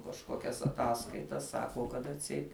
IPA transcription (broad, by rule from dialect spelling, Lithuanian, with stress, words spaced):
kɐʃˈkoːkʲɛs ɐˈtɑːskɐɪtɐs ˈsɑːkoː kɐt ɐtʲˈsʲɛɪt